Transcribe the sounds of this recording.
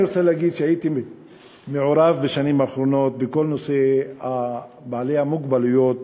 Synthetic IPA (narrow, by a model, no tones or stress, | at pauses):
ɾot͡selehaɡid̪ʃehajit̪i | meʕoɾavbeʃanimaχɾo̞no̞t̪beko̞lno̞seha | baale̞hamuɡbalujo̞t̪